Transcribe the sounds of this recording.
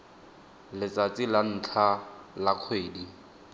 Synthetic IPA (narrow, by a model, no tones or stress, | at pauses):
lɪt͡sʼat͡sʼilan̩ːt͡ɬʰalaq͡χʰweːdi